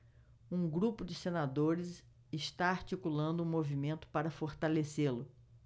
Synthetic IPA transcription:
ũɡɾupʊd͡ʒɪsenad̪oɾɪs | ɪʃt̪aaɾt͡ʃikulɐ̃nd̪ʊũmovimẽnt̪ʊ̥paɾɐfoɾt̪aleselʊ

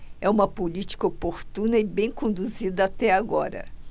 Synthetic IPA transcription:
ɛũmɐpolit͡ʃi̥kɐopoɾt̪ũnɐɪbẽj̃kõnd̪uzid̪ɐat̪ɛaɡɔɾɐ̰

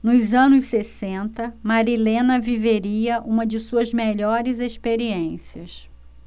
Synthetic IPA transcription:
nʊzɐ̃nʊsːesẽnt̪ɐmaɾilẽnɐviveɾiɐʔũmɐd͡ʒɪsuɐzmeʎɔɾɪzeʃpeɾiẽsiɐs

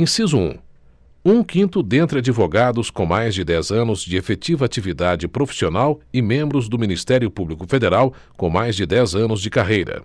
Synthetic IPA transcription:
ẽsizuṵ̃ | ũkĩnt̪ʊd̪ẽnt̪ɾɪad͡ʒivoɡad̪ʊskõmajzd͡ʒɪd̪ɛzɐ̃nʊzd͡ʒɪefet͡ʃivɐat͡ʃivid̪ad͡ʒɪpɾofi̥sionawɪmẽmbɾʊzd̪ʊminist̪ɛɾjʊpublikʊfed̪eɾaw | kõmajzd͡ʒɪd̪ɛzɐ̃nʊzd͡ʒɪkaɦejɾɐ̰

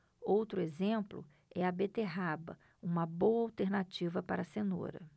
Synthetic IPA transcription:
owt̪ɾʊezẽmplʊ̰ | ɛɐbet̪eɦabɐ̰ | ũmɐbowɐawt̪eɾnat͡ʃivɐpaɾɐseno̰ɾɐ̰

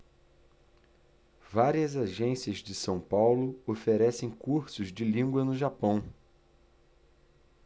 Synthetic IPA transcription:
vaɾiɐzaʒẽsiɐzd͡ʒɪsɐ̃w̃pawlʊofeɾɛsẽj̃kuɾsʊzd͡ʒɪlĩŋɡwɐnʊʒapɐ̃w̃

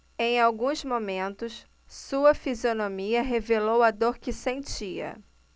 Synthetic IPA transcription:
ẽj̃awɡũzmomẽnt̪ʊs | suɐfizionõmiɐɦevelowad̪oɾkɪsẽnt͡ʃiɐ̰

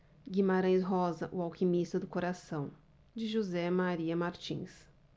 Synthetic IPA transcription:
ɡimaɾɐ̃j̃sɦɔzɐʔʊawkimist̪ɐd̪ʊkoɾasɐ̃w̃ | d͡ʒɪʒuzɛmaɾiɐmaɾt͡ʃḭ̃s

